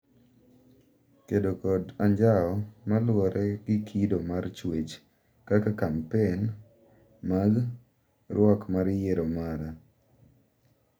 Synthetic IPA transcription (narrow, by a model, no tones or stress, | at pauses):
kedokɔdaɲd͡ʒaɔmalwɔɾɛɡɪkʰidomart͡ʃwet͡ʃ | kakakampen | maɡ | rwɔkmaɾjeɾomaɾa